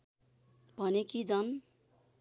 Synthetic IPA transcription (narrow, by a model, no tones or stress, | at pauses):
b̥ʱʌnekid͡zʌn